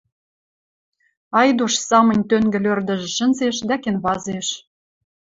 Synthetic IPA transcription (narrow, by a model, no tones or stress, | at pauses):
ɑjd̪uʃsɑmɤ̆nʲt̪øŋɡɘ̆lørd̪ə̆ʒĕʃə̆nzeʃd̪ækenβɑzeʃ